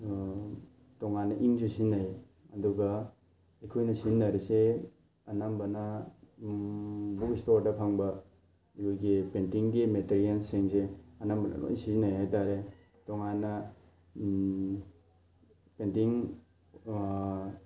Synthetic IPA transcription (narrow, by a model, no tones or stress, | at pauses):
tɔŋanːɐʔiŋzusinːaj | ɐduɡɐ | ekʰojnɐsinːɐɾise | ɐnambɐnɐ | bukistoɾdɐpʰaŋbɐ | ijojɡipentiŋɡimeteɾiansiŋseɐnambɐn̰lo̰jsizinːajɦajtaɾe | tɔŋanːɐ | pentiŋ